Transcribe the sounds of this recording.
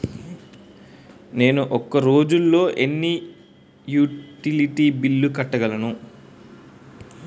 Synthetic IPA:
ne̞ːnuʔɔkːɐɾo̞ːd͡ʒulːo̞ːʔe̞nːi | juːʈiliʈiːbilːukɐʈːɐɡɐlɐnu

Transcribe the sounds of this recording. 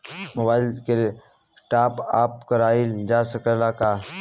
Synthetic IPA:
mʊbaːɪlke | sʈaːpa̰ːpkəɾaːid͡ʒaːsəkəlaːkaː

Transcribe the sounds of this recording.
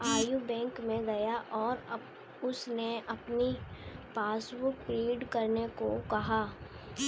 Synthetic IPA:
aːjubɛ̃ːŋkmẽɡɐjaʔɔːɾ | ʊsneʔɐpnipaːsbʊk̚pɾeːɖkɐɾneko̰kɐɦaː

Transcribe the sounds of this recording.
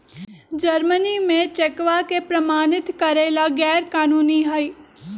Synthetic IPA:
d͡ʒəɾmənimẽt͡ʃekʋakepɾɐmaːnɪt̪kɐɾeːlaɡɛːɾkaːnuːniɦaiː

